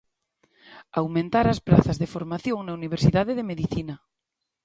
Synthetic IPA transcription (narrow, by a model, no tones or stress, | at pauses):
awmẽnt̪aɾaspɾaθazðefoɾmaθjoŋnauniβ̞eɾsiðaðeðemeðiθina